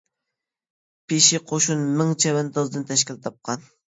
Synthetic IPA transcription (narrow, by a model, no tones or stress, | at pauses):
pʰɪʃiqʰoʃunmɪŋt͡ʃʰɛwɛnt̪ʰɑzɨd̪ɨnt̪ʰɛʃkʲilt̪ʰɑp̚qʰɑn